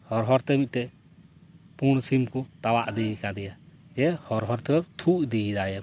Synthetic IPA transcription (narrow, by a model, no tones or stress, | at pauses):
hɔɾɦɔɾt̪ɛmit̪̚ˀt̪ɛ | puɽ̃simkut̪awaʔd̪iikad̪ɛjad͡ʒɛhɔɾɦɔɾt̪ɛwɛt̪ʰuʔd̪iid̪ajɛ